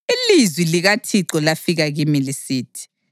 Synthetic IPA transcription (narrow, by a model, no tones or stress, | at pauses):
ilizwiliɣatʰiǁɔlafiɣaɣimilisiːtʰi̥